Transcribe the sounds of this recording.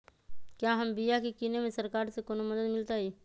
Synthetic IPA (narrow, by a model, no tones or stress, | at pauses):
kjaɦəmbijakikinemẽsəɾkaːɾsekonoməd̪əd̪mɪlt̪aɦiː